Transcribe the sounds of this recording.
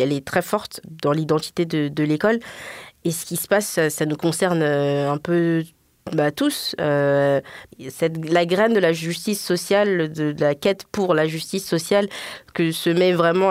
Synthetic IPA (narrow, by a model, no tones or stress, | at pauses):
ɛlɛt̪χɛfɔʁt̪d̪ɑ̃lid̪ɑ̃t̪i̥t̪ed̪əd̪əlekɔlesə̥kʲisə̥passanukɔ̃sɛʁnøɛ̃pø | bat̪usø | sɛt̪laɡʁɛnd̪əlaʒyst̪isːɔsjald̪əlakʲɛt̪puʁlaʒyst̪isːɔsjalkəsəmɛvʁɛmɑ̃